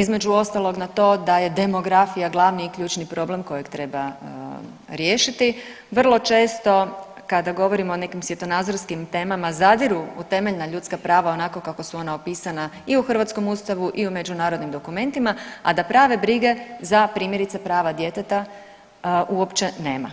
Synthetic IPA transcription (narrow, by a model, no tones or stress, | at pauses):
izme̞d͡ʒuo̞st̪alˠo̞ɡnat̪o̞ːd̪aje̞d̪e̞mo̞ɡɾafijaɡlˠaːʋniːkʎʲuːt͡ʃnipɾo̞ble̞mko̞jekt̪ɾe̞ba | ɾje̞ːʃit̪i | ʋr̩lˠo̞t͡ʃe̞ːst̪o̞ | kad̪aɡo̞ʋo̞ɾimoːne̞kimsʋje̞t̪o̞naːd̪zo̞ɾskimt̪e̞ːmamazad̪iɾuut̪e̞meʎnaʎut̪skapɾaːʋao̞nako̞kako̞suo̞naopiːsanaiuxr̩ʋat̪sko̞must̪aʋuʔiume̞d͡ʒunaːɾod̪nimd̪o̞kume̞nt̪imaa̰d̪apɾaːʋe̞bɾiɡe̞zapɾiːmje̞ɾit̪sepɾaːʋad̪je̞t̪et̪a | ʔuo̞pt͡ʃe̞ne̞ːma̰